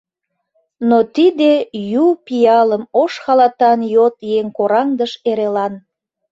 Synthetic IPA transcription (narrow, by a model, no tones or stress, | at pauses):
not̪id̪ejupijɑləmoʃxɑlɑt̪ɑnjot̪jeŋkoɾɑŋd̪əʃeɾelɑn